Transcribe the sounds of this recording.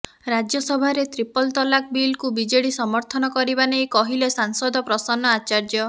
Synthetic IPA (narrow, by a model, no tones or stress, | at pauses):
ɾad͡ʒjɔsɔbʱaɾet̪ɾipɔlt̪ɔlak̚bilkubid͡ʒeɽisɔmɔɾt̪ʰɔnɔkɔɾibanejkɔɦilesaŋsɔd̪ɔpɾɔsɔnːɔat͡ʃaɾd͡ʒjɔ